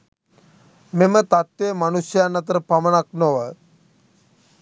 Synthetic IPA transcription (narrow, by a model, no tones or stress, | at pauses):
memət̪at̪ʋemanusjəanːət̪̬əɾəpamənak̚noʋə